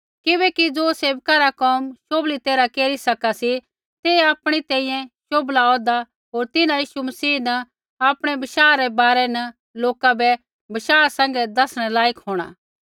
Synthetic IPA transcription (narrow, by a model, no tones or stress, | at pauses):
kɪbɛkid͡zoːseːʋkaɾakɔːmʃoːblit̪eːɾakeːɾisɐkasi | t̪eaːpɽ̃it̪ɛ̃ːĩjɛ̃ʃoːblaɔːd̪a | ɦoːɾt̪ɪnãjiːʃumɐsiːnɐ | aːpɽ̃ɛbɪʃaːɾɛbaːɾɛnɐ | loːkabɛ | bɪʃaːsɛ̃ːŋ̆ɡɛd̪ɐsɽ̃ɛlaːjəkɦoːɽ̃a̰ː